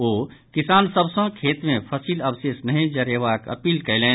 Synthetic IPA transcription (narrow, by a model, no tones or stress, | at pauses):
oː | kisaːnsəbʱsə̃kʰeːt̪mẽpʰəsiːləbseːsnəɦĩd͡ʒəɾjeʋakə̰piːlkəɪlẽ